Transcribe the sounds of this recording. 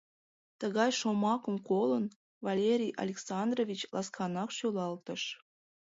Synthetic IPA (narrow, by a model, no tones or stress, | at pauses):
t̪əɣɑjʃomɑkəmkolən | vɑlʲeɾʲijʔɑ̰lʲeksɑnd̪rovʲit͡ɕlʔɑskʰɑnɑkʃølɑlt̪əʃ